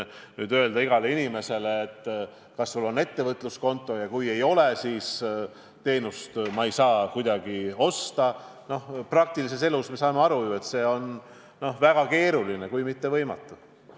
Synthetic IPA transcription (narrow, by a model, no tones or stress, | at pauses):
nyːd̪øe̞ld̪ɑiɡ̥ɑleinime̞se̞leːt̪ːˑ | kɑsːulːo̞nːe̞t̪ːe̞vɤt̪ːˑlusko̞nt̪ˑːo̞jɑkuje̞jo̞lesiːs | t̪e̞ːnust̪mɑejsɑːkujd̪̥ɑɡ̥io̞st̪ɑ | no̞hprɑk̚t̪ilis̬e̞se̞lusmesɑːmeɑɾujue̞t̪se̞ːo̞n | no̞hvæɡ̥ɑke̞ːɾuline̞kujmit̪ːe̞vɤjmɑ̰t̪ˑːu